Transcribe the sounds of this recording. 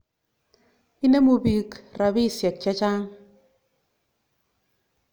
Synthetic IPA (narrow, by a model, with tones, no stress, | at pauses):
i˦ne˦mu˨bi˨kɾa˨bi˦˨sjɛ˨k̚t͡ʃɛ˦t͡ʃa˦ŋ